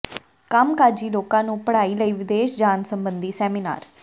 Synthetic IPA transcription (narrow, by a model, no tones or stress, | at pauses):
kəmkaːd͡ʒiːloːkãːnũːpəɽaːiːləiːʋɪd̪eːʃd͡ʒaːnsəmbənd̪iːsɛːmina̰ːɾ